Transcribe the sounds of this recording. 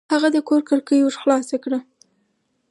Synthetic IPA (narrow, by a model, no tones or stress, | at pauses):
haɣad̪əkoɾkəɾkəjoʒxlɑsakɽə